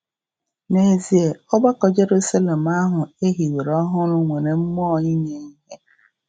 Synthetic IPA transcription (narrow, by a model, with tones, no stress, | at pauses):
ne˨zi˨˦e˨ɔ˦ɡ͡ba˦kɔ˨d͡ʒe˨ɾu˦sa˦le˨m˦a˦ɦʊ˨e˦ɦi˨we˨ɾɔ˦ɦʊ˦ɾʊ˦ŋʷe˨ɾe˨m̩˦mɔ˦˨ɲi˦ɲe˨i˦ɦe˦